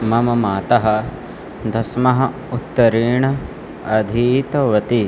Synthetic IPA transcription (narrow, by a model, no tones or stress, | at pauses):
mɐmɐmaːt̪ɐɦɐ | d̪ʱɐsmɐɦɐ̆ | ut̪ːɐɾiːɳɐ | ɐd̪ʱiːt̪ɐʋɐt̪i